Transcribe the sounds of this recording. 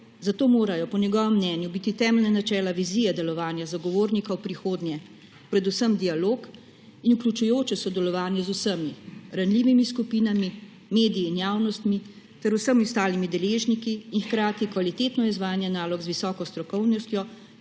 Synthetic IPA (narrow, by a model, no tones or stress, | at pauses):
zat̪oːmoːɾajɔpɔnjɛɡɔːʋɛmːnɛːnjubit̪it̪ɛːmɛlnanat͡ʃɛːlaʋizijɛd̪ɛlɔʋaːnjazaɡɔʋoːɾnikawpɾixoːd̪njɛ | pɾɛd̪usəmd̪ialoːk | inuklʲjut͡ʃujoːt͡ʃɛsɔd̪ɛlɔʋaːnjɛzusəmiɾanliʋimiskupiːnami | meːd̪ijiːnjaːwnɔst̪mi | t̪ɛɾusəmiwst̪aːlimid̪ɛleːʒnikiːnxkɾaːt̪ikʋalit̪eːt̪nɔizʋaːjnjɛnaːlɔɡzʋisɔːkɔst̪ɾɔkɔwnɔst̪jɔ